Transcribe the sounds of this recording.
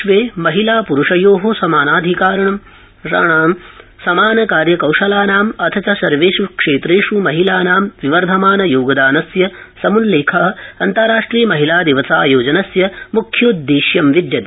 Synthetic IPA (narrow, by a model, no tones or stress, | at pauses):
ʋeːmɐɦilaːpuɾuʂɐjoːɦosɐmaːnaːd̪ʱikaːɾɐɳɐm | a̰ɳaːmsɐmaːnɐkaːɾjɐkɐwʂɐlaːnaːmɐt̪ʰɐt͡ʃɐsɐɾʋeːsukʂeːt̪ɾeːʂumɐɦilaːnaːmʋiʋɐɾd̪ʱɐmaːnɐjoːɡɐd̪aːnɐsjɐ | sɐmunleːkʰɐɦɐ̆ɐnt̪ɐɾaːʂʈɾiːjɐmɐɦilaːd̪iʋɐsaːjoːd͡ʒɐnɐsjɐmukʰjoːd̪ːiːʃjɐmʋid̪jɐd̪